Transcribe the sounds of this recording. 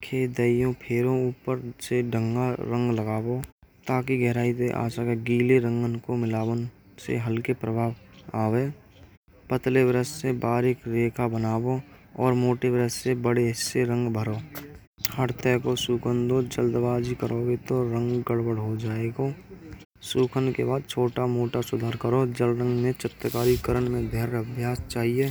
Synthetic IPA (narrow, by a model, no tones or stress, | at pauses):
kʰeːd̪əːijõpʰeːɾõuːpəɾseɖʱəŋɡaɾə̃ŋɡləɡaːbot̪aːk̬iɡɛɦɾaːit̪eʔa̰ːsakeɡiːleɾə̃ŋɡənkomɪlaːwən | sḛɦəlkepɾəbʱaːʋaːʋeː | pət̪lebɾəssebaːɾɪkɾeːkʰabənaːbo | ɔːɾmoːʈebɾəssebəɽeɪsːeɾə̃ŋɡbʱəɾo | həɽt̪əkosuːkʰənd̪od͡ʒəld̪baːd͡ʒikəɾoːɡet̪oɾə̃ŋɡːəɽbəɽɦod͡ʒaːeːɡo | suːkʰənkḛbaːd̪̚t͡ʃʰoːʈamoːʈasʊd̪ʱaːɾkəɾod͡ʒəlɾə̃ŋɡmẽt͡ʃət̪əkaːɾikəɾənmẽd̪ʱeɾəbʱjaːst͡ʃaːɦieː